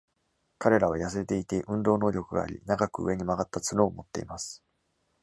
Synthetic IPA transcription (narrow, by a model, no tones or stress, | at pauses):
kaɾe̞ɾaβajasɨet̪e̞it̪e̞ʔɯ̟̃nd̪o̞ːno̞ːɾʲo̞kɯ̟ɡa̰ːɾʲḭnaɡakɯ̟ɯ̰e̞ɲ̟imaɡat̪ːat͡sɨɾo̞ːmo̞t̪ːe̞̰imasɨ̥